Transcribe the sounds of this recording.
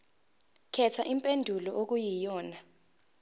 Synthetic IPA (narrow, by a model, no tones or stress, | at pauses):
kʰɛtʰaʔimpʼendʱulɔʔok̬ujijɔːna